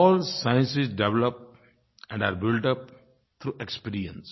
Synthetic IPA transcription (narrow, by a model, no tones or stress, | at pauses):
ɔːlsaɪə̃nsɪsɖeʋləp̚ | ɛ̃ɳɖa̰ːɾbɪlʈʌp̚ | t̪ʰɾuːʔekspiːɾiə̰̃ns